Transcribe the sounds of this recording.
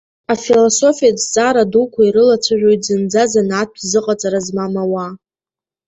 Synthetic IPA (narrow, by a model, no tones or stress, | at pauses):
afiloso̞fijad͡zt͡sʼaɾadukʷʰaiɾɨlat͡ʃʷʰaʒᶣojtʼzɨnd͡zazanat̚ʰzɨqʼat͡sʼaɾazmamawa